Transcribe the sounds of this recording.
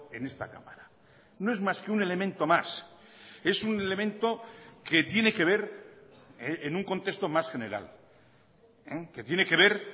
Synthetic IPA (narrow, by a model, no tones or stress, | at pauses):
e̞ne̞st̪a̰ka̰maɾa | no̞e̞zmaskeune̞le̞mẽnt̪o̞mas | e̞sunele̞mẽnt̪o̞ke̞t̪je̞ne̞ke̞β̞e̞ɾ | enuŋko̞nt̪e̞st̪o̞masxe̞ne̞ɾa̰l | eke̞t̪jene̞ke̞β̞e̞ɾ